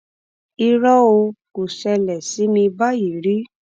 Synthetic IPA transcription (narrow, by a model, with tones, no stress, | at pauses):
i˧ɾɔ˦o˧ko˨ʃɛ˧lɛ˨si˨˦mĩ˧ba˦ji˨ɾi˦